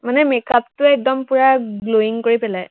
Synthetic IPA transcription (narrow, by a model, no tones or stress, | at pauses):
manɛmɛkap̚tʊɛk̚dɔmpuɹaɡloiŋkoɹipɛlaj